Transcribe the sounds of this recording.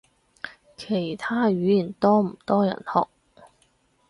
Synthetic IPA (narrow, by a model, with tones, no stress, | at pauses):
kʰe˨˩jt̪ʰaː˥ɥyː˨˧˥jiː˨˩nt̪ɔː˥m̩˨˩t̪ɔː˥jɐ̰˨˩nhɔ̰ː˨k̚